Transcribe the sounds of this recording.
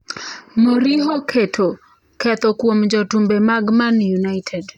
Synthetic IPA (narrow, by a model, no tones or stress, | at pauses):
moɾiɦokʰetʰo | kɛt̪ɔkwomd͡ʒɔtumbemaɡmanjunajtʰɛd